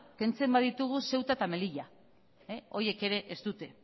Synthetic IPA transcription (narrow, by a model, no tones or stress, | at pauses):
ke̞nt͡se̞mbaðit̪uɣ̞use̞wt̪at̪ame̞liʎa | eo̞ie̞ke̞ɾe̞ʔest̪ut̪e̞